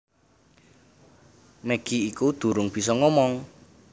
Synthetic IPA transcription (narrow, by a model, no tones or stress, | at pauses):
mɛɡ̥iikud̪̥ṳɾʊŋb̥i̤sɔŋɔmɔŋ